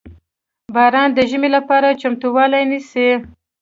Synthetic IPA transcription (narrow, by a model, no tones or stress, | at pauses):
bɑɾɑnd̪əʒəmelapɑɾat͡ʃamt̪uwɑlajnisi